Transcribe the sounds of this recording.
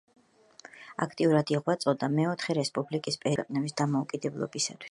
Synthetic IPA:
a̰kʰt̪ʼiuɾad̪iʁwat̪sʼɔd̪amɛɔt̪ʰχɛɾɛspʼublikʼispʼɛɛqʼnɛbisd̪amɔukʼid̪ɛblˠɔ̰bisa̰t̪ʰwi̥s

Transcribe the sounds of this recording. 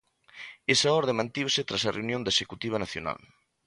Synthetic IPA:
esɐɔɾðemãnt̪iβsɪt̪ɾasɐreunjõnd̪ɐesekut̪iβ̞ɐnaθjo̰na̰l

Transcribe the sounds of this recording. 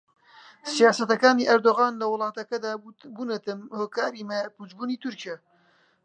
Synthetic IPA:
sijaːsɐt̪ɐkaːniːʔɐɾd̪oɣaːnlɐwʊlˠɑːt̪ɐkɐd̪aːbunɐt̪ɨmhoːkaːɾiːmɐpud͡ʒbuːniːt̪ʰʊɾcija

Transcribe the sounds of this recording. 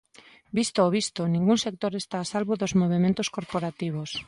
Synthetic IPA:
bist̪oːβ̞ist̪onĩŋɡuŋsek̚t̪oɾest̪aːsalβoðozmoβ̞emẽnt̪oskoɾpoɾat̪iβ̞os

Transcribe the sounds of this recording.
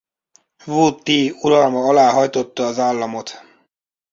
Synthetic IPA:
vuːt̪ːiːulɒlmɒɒlaːɦɒjt̪o̞t̪ːɒːzaːlːɒmo̞t̪

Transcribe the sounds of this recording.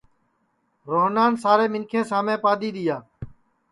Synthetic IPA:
ɾoːɦnaːnsaːɾeːmɪnkʰẽːsaːmẽːpaːd̪iːɗ̪ɪjaː

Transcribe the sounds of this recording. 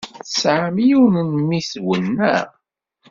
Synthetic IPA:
θsʕəmijunənmːiswənːæ̰

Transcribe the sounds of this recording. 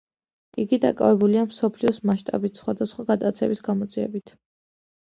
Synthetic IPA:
iɡid̪a̰kʼa̰vɛbuliamsɔpʰliɔsmaʃt̪ʼa̰bit̪ʰsχwad̪asχwaɡat̪ʼat̪sʰɛbisɡamɔt̪szʼiɛ̰bit̪ʰ

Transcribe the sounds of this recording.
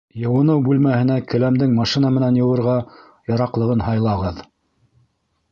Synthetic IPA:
jɤ̆wɤ̆nɤwbʉlmæhɘ̆nækɘ̆læmd̪ɘŋmɑʃinɑmɘ̆nænjɤ̆wɤ̆ɾʁɑ | jɑɾɑqlˠɤ̆ʁɤnhɑjlˠɑʁɤð

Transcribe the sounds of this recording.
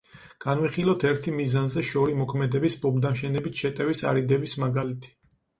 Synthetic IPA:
ɡ̥anwiχilˠɔt̪ʰɛɾt̪ʰimizanzɛʃɔɾimɔkʰmɛd̪ɛbisbɔbd̪amʃɛnɛbit̪ʰʃɛt̪ʼɛvisa̰ɾid̪ɛbismaɡalit̪ʰi̥

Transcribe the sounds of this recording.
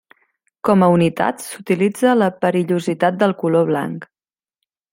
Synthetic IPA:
kɔməunit̪a̰t̪sut̪ilid͡zələpəɾiʎuzit̪at̪̚d̪əlˠkuloβ̞la̰ŋk

